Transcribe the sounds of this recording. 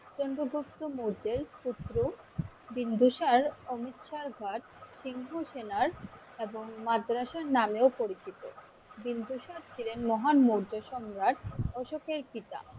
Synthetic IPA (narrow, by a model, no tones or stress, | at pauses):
t͡ɕɔnɖoɡupt̪ːomuɾd̪eɾput̪ːɾo | bind̪uʃaɾomit̪ʃaɾɡʱaʈ | ʃiŋɦoʃenaɾ | eboŋmad̪ɾaʃaɾnameopoɾit͡ɕʰit̪o̰ | bind̪ʱuʃaɾt͡ɕʰilenmɔɦanmoɾd̪oʃɔmɾaʈ̪ɔʃokeɾkit̪a̰